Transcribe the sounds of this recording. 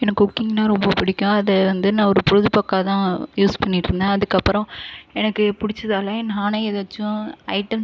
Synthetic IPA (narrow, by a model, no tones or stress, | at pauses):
ɛnɐkːɯɔkːɪŋɡnãːɾɔmbɐpɪɽɪkʲːʊ̃ɐðɛʋɐnd̪ɯnãːɔɾɯpʊɾɯðɯpɐkːaːt̪ãːjuːspɐɳːɪʈːɾɯnd̪aɐðɯkːɐpːɯɾɐ̃ɛnɐkːɯpʊɽɪt͡ʃːɐðaːlaːɛnːaːnɐɛðɐt͡ʃːʊ̃ɐɪʈɐm